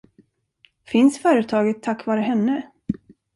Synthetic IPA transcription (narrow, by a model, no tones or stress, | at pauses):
fɪnsfœːɾət̪ʰɑːɡət̪ʰːakːvɑːɾəɦɛnːə